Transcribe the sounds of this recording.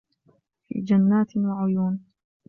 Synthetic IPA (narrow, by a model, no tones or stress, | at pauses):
fḭːd͡ʒanːaːt̪waʕʊjuːn